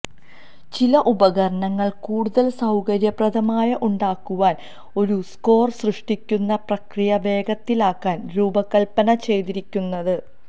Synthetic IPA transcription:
t͡ɕilɐʔubɐɣɐɾɐɳɐŋːɐɭkuːɽuðɐlsɐwkɐɾjɐprɐðɐmaːjɐʔuɳɖaːkːuʋaːn | o̞ɾusko̞ːrsrɨʂʈikʲːunːɐprɐkrijɐbe̞ːɡɐt̪ːilaːkːaːnɾuːbɐkːɐɭpɐnɐt͡ɕe̞jt̪iɾikʲːunːɐðɨ

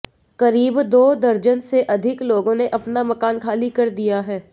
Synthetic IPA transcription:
kɐɾiːbd̪oːd̪ɐɾd͡ʒənseʔɐd̪ʱɪkloːɡõneʔɐpnamɐkaːnkʰaːlikɐɾd̪ijaɦɛː

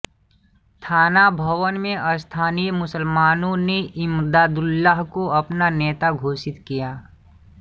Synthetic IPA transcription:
t̪ʰaːnabʱɐʋənmẽʔɐst̪ʰaːnijəmʊsəlmaːnõneʔɪmd̪aːd̪ʊlːaɦkoɐpnanɛːt̪aɡʱoːsɪt̪kijaː

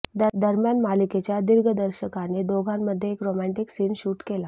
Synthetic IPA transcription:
d̪əɾmjanmaliket͡ɕjad̪iɾɡʱəd̪əɾɕəkaned̪oɡʱamːəd̪ʱːjeːkɾomæɳʈiksiːnɕuːʈkela

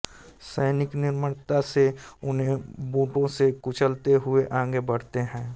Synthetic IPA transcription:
səɪnɪknɪɾməɽt̪aseʊnɦẽbuːʈõsekʊt͡ʃʰəlt̪eɦʊeʔãːŋɡebəɽ̤t̪eɦɛ̃ː

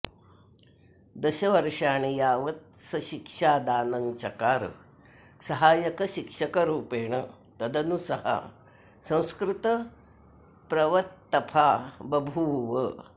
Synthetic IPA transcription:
d̪ɐɕɐʋɐɾʂaːɳ̃ijaːʋɐt̪̚sɐɕikʂaːd̪aːnɐŋt͡ʃɐkaːɾ | sɐɦaːjɐkɐɕikʂɐkɐɾuːpeːɳ̃ɐ | t̪ɐd̪ɐnusɐhɐ̰ | sɐ̃w̃skɾit̪ɐ | pɾɐʋɐt̪ːɐpʰaːbɐbʱuːʋə

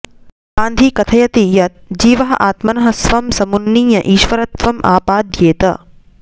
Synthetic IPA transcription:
kãːnd̪ʱikɐt̪ʰɐjɐt̪ijɐt̪̚d͡ʒiːʋɐɦɐ̰ʔaːt̪mɐnɐɦɐ̆sʋɐmsɐmunːiːjɐʔiːʃʋɐɾɐt̪ʋɐmʔa̰ːpaːd̪jeːt̪ɐ̰

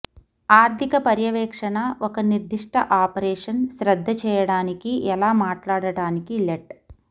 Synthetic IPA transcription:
aːɾt̪ʰikɐpɐɾjɐʋɛːkʂɐɳɐɔkɐniɾd̪ʱiʂʈɐʔaːpɐɾɛːʂɐnʃɾɐd̪ʱːɐt͡ʃɛːjɐɽaːnikiʔɛlaːmaːʈlaːɽɐɽaːnikileʈ

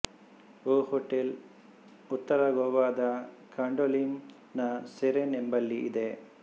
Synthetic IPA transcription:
oːhoʈːel | ut̪ːɐɾɐɡoːʋaːd̪ɐ | kaːɳɖolim | nɐseɾenembɐlːiid̪e

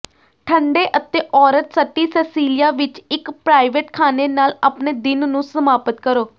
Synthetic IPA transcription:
ʈʰəɳɖeːʔət̪eːʔɔːɾət̪səʈːiːsɛːsiːlɪjaːʋɪt͡ʃɪkpɾaːɪʋeʈkʰaːneːnaːlaːpneːd̪ɪnnũːsəmaːpət̪kəɾoː

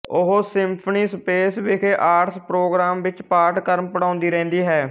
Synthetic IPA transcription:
ʊɦosɪmpʰəniːspeːsʋeːkʰeːʔaːɾspɾoːɡɾaːmʋɪt͡ʃpaːɾʈkəɾmpəɽãːʊnd̪iːɾɛ̃ːnd̪iːɦɛː

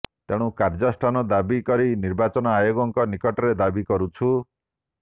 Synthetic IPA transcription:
t̪eɽ̃ũkaɾd͡ʒɔsʈʰanɔd̪abikɔɾiniɾbat͡ʃɔnɔajoɡɔŋkɔnikɔʈɔɾed̪abikɔɾut͡ʃʰu

